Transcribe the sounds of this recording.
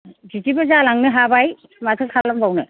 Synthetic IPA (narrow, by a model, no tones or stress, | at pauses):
zitibazalaŋnɯɦabaj | matʰɯkʰalɔkbawnɯ